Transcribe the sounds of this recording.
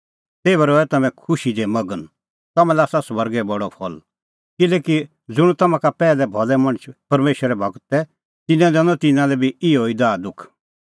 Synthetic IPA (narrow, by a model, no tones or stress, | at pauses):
t̪eːʋəɾɔɛt̪ɐmɛ̃kʰʊʃid̪ɛmɐɡən | t̪ɐmãlɛaːsasʋɐɾɡɛbɐɽɔpʰɔl | kɪleːki | d͡zʊɽ̃t̪ɐmãkapɛːlɛbʱɔlɛmɐ̃ɽ̃ət͡ʃʰpɐɾmeːʃəɾɛbʱɐɡət̪ɛ | t̪ɪnɛ̃d̪ɛ̃nɔt̪ɪnãlɛbʱiɪoːid̪aːd̪ʊkʰ